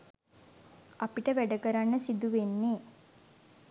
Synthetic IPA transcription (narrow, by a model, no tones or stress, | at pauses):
apiʈəʋæɖəkəɾanːəsid̪uʋenːeː